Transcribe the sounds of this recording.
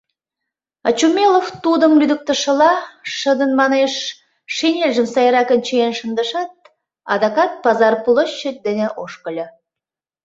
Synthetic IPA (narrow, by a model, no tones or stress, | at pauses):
ɑ̰t͡ɕumʲeloft̪ud̪ə̆mlʲyd̪ə̆k̚t̪ə̆ʃə̆lɑʃə̆d̪ənmɑneʃ | ʃinʲelʲʒəmsɑjɾɑkə̆nt͡ɕeenʃə̆nd̪ə̆ʃɑt̪̚ | ɑ̰d̪ɑkɑt̪̚pɑzɑrpulˠə̆ʃːə̆d̪ɘ̆nʲĕʔoʃkə̆lʲɤ̆